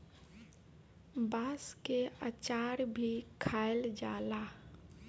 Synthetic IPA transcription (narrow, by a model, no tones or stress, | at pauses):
baːskeat͡ʃaːɾbʱikʰaːeld͡ʒaːlaː